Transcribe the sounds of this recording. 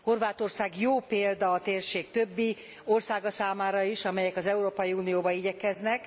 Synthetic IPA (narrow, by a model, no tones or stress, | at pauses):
ho̞rvaːt̪o̞rsaːɡjoːpeːld̪ɒːt̪eːrʃeːkt̪ø̞bːi | o̞rsaːɡɒsaːmaːɾɒiʃɒmɛjɛkɒzɛuɾoːpɒjiuːnijoːbɒiɟɛkɛznɛk